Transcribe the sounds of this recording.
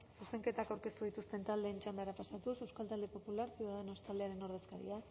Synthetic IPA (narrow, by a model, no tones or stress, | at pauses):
suse̞ŋke̞t̪akawɾke̞st̪uð̞it̪ust̪e̞nt̪ald̪e̞ːnt͡ʃamb̪eɾapasat̪usewskalt̪ald̪e̞po̞pulaɾt͡siðeno̞st̪ald̪e̞aɾe̞no̞ɾðe̞skaɾḭa